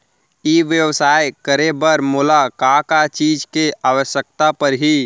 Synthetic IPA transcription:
iʋjəwsaːjkəɾebəɾmoːlakãkat͡ʃiːd͡ʒkeʔaːʋəʃjək̚t̪apəɾɦi

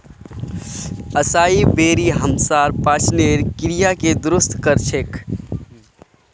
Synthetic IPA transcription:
əsaːibeːɾiɦəmsaːɾpaːt͡ʃneɾkɪɾijaked̪ʊɾʊst̪ʰkəɾt͡ʃʰek

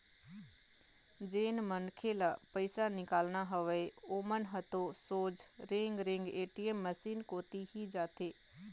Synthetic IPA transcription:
d͡ʒeːnmənkʰeləpəɪsanɪkaːlnaɦəʋeoːmənɦət̪osoːd͡ʒɾẽŋɡɾẽŋɡeːʈiemːəsiːnkoːt̪iɦid͡ʒaːt̪ʰeː

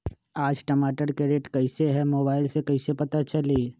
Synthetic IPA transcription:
aːd͡ʒʈɐmaːʈəɾkeɾeːʈkɐɪseɦɛmoːbaːɪlsekɐɪsepɐt̪at͡ʃɐleː

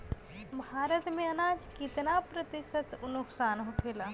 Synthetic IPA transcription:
bʱaːɾət̪mẽənaːd͡ʒkɪt̪napɾət̪ɪsət̪nʊksaːnɦokʰeːlaː

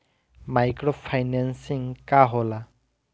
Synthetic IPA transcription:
majkɾɔpʰajnansiŋkaɦɔla

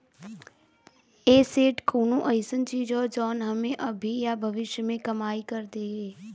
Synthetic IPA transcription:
eːseːʈkʰuːnũʔəɪsənt͡ʃiːd͡ʒɦɔːd͡ʒɔːnɦəmẽʔəbʱijabʱəʋɪʃjəmẽkəmaːikəɾd̪eːɡeː

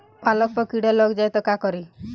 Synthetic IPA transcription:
palɔk̚pɔkiɽalɔɡd͡ʒajt̪ɔkakɔɾi

